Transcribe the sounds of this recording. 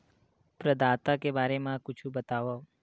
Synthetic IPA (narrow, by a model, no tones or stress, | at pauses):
pɾəd̪aːt̪akebaɾemãkʊt͡ʃʰũbət̪aʋo